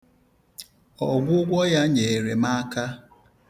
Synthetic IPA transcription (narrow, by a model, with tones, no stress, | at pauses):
ɔ˨ɡʷʊ˦ɡʷɔ˦ja˦ɲe˨e˨ɾe˨ma˦ka˦